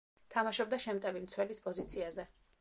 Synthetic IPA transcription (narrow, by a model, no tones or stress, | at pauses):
t̪ʰamaʃɔbd̪aʃɛmt̪ʼɛvimt̪sʰwɛlispʼɔzit̪sʰiazɛ